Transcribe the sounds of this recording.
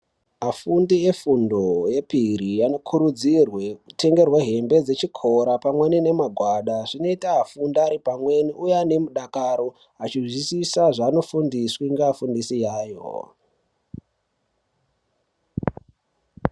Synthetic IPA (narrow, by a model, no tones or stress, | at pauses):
mafundie̞fundo̞jepiɾijano̞kʰuɾud͡zirwekutʰe̞ŋɡe̞rweɦe̞mbe̞d͡ze̞t͡ʃikʰo̞ɾapamwenene̞maɡʱwaɗaʐ̥ino̞itaɦafundaːɾipamwe̞niujane̞muɗakaɾo̞ | at͡ʃiʐisisaʐaːno̞fundiswiŋɡaafundisijaːjo̰